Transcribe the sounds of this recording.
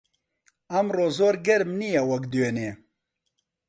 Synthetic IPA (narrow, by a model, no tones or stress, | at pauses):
ɐmroːzoːɾɡɛɾmnijɛwɐkd̪jøneː